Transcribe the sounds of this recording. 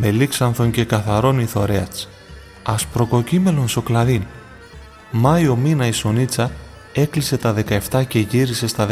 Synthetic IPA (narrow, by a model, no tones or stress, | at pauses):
me̞liksɐnθo̞ɲce̞kɐθɐɾo̞niθo̞ɾeɐt͡s | ɐspɾo̞ko̞cime̞lo̞nso̞klɐðin | mɐio̞minɐiso̞nit͡sɐ | e̞klise̞t̪ɐðe̞kɐe̞ft̪ɐce̞ʝiɾise̞st̪ɐð